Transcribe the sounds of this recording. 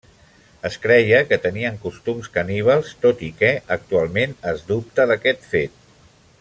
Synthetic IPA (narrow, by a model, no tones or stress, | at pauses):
əskɾɛjəkət̪əniəŋkust̪umskəniβ̞əlˠst̪ot̪ikɛək̚t̪ualˠmenəzd̪up̚t̪əðəkɛt̪fet̪̚